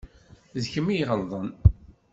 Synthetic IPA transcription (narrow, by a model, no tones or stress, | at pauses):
zçəmijʁəlðˤən